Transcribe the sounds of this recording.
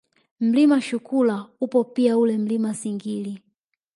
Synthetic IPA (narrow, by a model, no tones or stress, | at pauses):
m̩limaʃukulaupɔpiaulɛm̩limasiŋɡili